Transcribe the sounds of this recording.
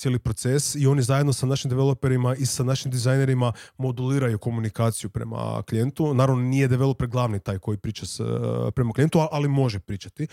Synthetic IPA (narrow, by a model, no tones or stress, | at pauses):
t̪je̞lipɾo̞t̪sesio̞nizajed̪nosanaʃimd̪eʋelˠope̞ɾimaisanaʃimd̪izajne̞ɾimamo̞d̪uliːɾajuko̞munikaːt̪sijupɾe̞̰ma̰klije̞nt̪unaːɾaʋnonijed̪eʋe̞lˠopeɾɡlˠaʋnit̪aːjko̞jipɾiːt͡ʃaspɾe̞maklije̞nt̪uaʔalimo̞ʒepɾiːt͡ʃat̪i